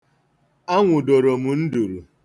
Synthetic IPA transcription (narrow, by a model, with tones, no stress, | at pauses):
a˦ŋʷʊ˨do˨ɾo˨mu˨n̩˦du˨ɾu˨